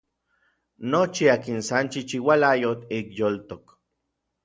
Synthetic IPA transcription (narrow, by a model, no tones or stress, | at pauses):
not͡ʃiaːkinsant͡ʃit͡ʃiwalajot̪ikjolt̪ok